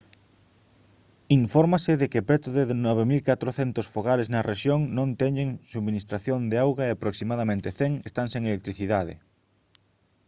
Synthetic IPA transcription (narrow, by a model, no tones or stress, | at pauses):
iɱfoɾmaseðekepɾet̪oðeðnɔβemilkat̪ɾoθent̪osfoɣaleznɐreʃjoŋnõnt̪ɛɲeŋsuβminist̪ɾaθjond̪eawɣaeapɾoksimað̞amẽnt̪eθeŋest̪aŋseŋelek̚t̪ɾiθiðað̞ḛ